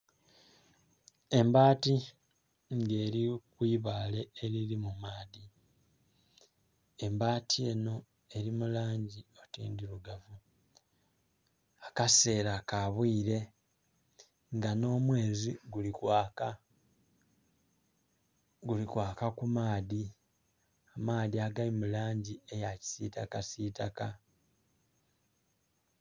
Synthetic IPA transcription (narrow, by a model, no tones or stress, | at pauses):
e̞mbaːti | ŋɡe̞ːɾikwiːβaːle̞ːɾiɾimumaːði | e̞mbaːtie̞ːno̞ | e̞ɾimulaːɲɟio̞tḭːndiɾuɡavu | akase̞ːɾakaβwiːɾe̞ | ŋɡano̞ːmwe̞ːziɡulikwk | ɡulikwaːkakumaːði | amaːðiaɡalimulaːɲɟiejaci̥sitakasiːtaka